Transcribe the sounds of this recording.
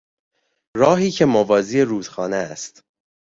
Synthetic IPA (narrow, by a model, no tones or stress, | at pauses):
ɾɒːɦiːcʰe̞movɒːziːeɾuːd̪̥xɒːneæst̪